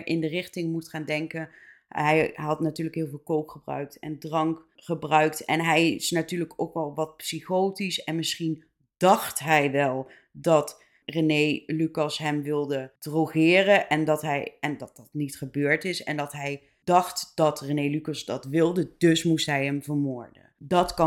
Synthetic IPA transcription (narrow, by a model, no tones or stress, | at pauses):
ʔɪndərɪχtɪŋmutχaːndɛŋkən | ɦɛjɦɑtnatyːɹləkɦɪːlˠvɪːlˠkowkχəbrœ̰ɥk̚tɛ̰ndrɑŋkχəbrœɥktɛnɦɛjɪsnatyːɹləkowkʋɛlˠʋɑt̚psiχowtisɛnmɪsχin | d̥ɑχtɦɛjʋɛlˠ | dɑt | renejlykɑsɦɛmʋɪlˠdəd̥roχɪːrəʔɛndɑtɦɛjɛndɑt̚dɑtnitχəbøːɹtɪsɛ̰ndɑtɦɛj | dɑχtd̥ɑtrenejlykɑsdɑtʋɪlˠdədɵsmustɦɛjɦɛmvəɹmʊːɹdə̰dɑtkɑ